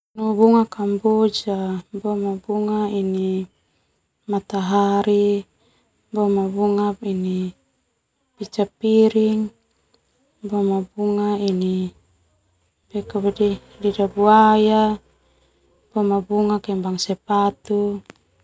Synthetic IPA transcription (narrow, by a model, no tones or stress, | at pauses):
nubuŋakambod͡ʒabɔmabuŋaini | mat̪aɦaɾi | bɔmabuŋapini | pit͡ʃapiɾiŋ | bɔmabuŋaini | bɛkabadi | didabuaja | b̥ɔmabuŋakɛmbaŋsɛpat̪u